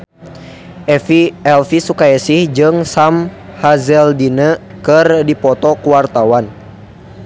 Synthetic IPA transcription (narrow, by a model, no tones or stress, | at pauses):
ʔɛfiɛlfisukaɛsɪhd͡ʒɨŋsam | hazɛldinəkɨrdipɔt̪ɔkuwart̪awan